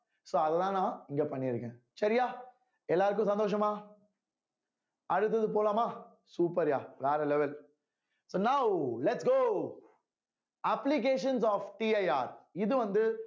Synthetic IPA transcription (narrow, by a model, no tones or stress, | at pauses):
soːɐðɛt̪ãːnãːɪŋɡeːpɐɳːɪɾɯkːẽː | sɐɾɪjaː | ɛlːaːɾɯk̬ːʊ̃sɐnd̪oːʂ̬ɐmaː | ɐɽɯt̪ːɐðɯp̬oːlaːmaː | suːpɐɾja̰ːʋaːɾɐlɛʋɐl | soːnaʊlɛʈsɡoː | ɐplɪk̬eːʂɐnsɔːfʈiːɐɪaːɾɪðɯʋɐnd̪ɯ